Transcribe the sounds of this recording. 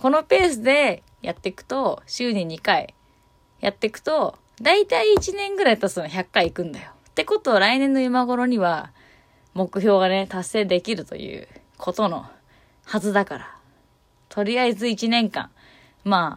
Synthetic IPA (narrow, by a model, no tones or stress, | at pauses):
ko̞no̞pe̞ːsɨd̪e̞ | jat̪ːe̞kɯ̟̥t̪o̞ɕɨːɲẽɲ̟ːikaḭ | jat̪ːe̞kɯ̟̥t̪o̞ | d̪ait̪aiːt͡ɕinẽ̞ŋɡɯ̟ɾait̪asnoçʲakːaiːkɯ̟̃nd̪ajo̞t̪e̞ko̞t̪oːɾainẽ̞nːo̞jɯmaɡo̞ɾo̞ɲ̟iβa | mo̞kɯ̟ço̞ːɡane̞t̪asːe̞ːd̪e̞kʲiɾɯ̟t̪o̞̰jɯ̰ː | kʰo̞t̪o̞no̞̰ | hazɨd̪akaɾa | t̪ʰo̞ɾʲiaizɨit͡ɕinẽ̞ŋkã̰ŋ | maː